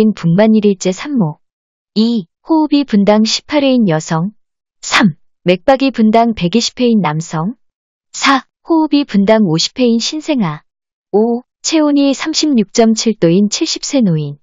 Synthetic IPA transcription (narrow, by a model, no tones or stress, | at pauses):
inpuŋmaɲiɾiɭt͡ɕ͈e̞sʰamːo | i | hoːbipundaŋɕʰi̥pʰaɾe̞injʌsʰʌŋ | sʰamː | e̞k̚p͈aɡipundaŋpe̞ɡiɕʰi̥pʰe̞inːamsʰʌŋ | sʰa | houbipundaŋoɕʰi̥pʰe̞inɕʰinsʰe̞ŋɦa | o | t͡ɕʰe̞oɲisʰamɕʰimɲuk̚t͡ɕ͈ʌmt͡ɕʰiɭt͈oint͡ɕʰiɭɕ͈i̥p̚s͈e̞noin